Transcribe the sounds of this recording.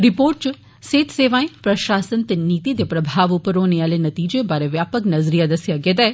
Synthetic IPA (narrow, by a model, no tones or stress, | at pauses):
ɾɪpoːɾʈ̚t͡ʃ | seːt̪seːʋãːẽpɾɐʃaːsənt̪eniːt̪id̪epɾɐbʱaːʋʊpəɾoːneaːlenɐt̪iːd͡ʒebaːɾeʋjaːpəknɐzɾijad̪ɐsɪjaɡeːd̪aɛ